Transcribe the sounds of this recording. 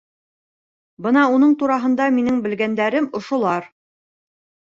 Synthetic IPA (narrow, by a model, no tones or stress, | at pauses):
bɤnɑunɤɴt̪uɾɑɦɤ̆nd̪ɑminɘŋbɘ̆lɡænd̪æɾɘmŏʃŏlˠɑɾ